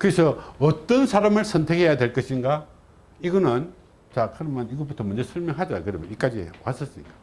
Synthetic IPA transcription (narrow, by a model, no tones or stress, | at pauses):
kɯɾesʰʌʌt͈ːʌnsʰaɾamɯɭsʰʌntʰe̞khejadweɭk͈ʌɕʰinɡa | iɡʌnɯn | t͡ɕakɯɾʌmjʌniɡʌbutʰʌmund͡ʑe̞sʰʌɭmjʌŋɦadaa̰kɯɾʌmʌnik͈ad͡ʑiwas͈ʌs͈inɡa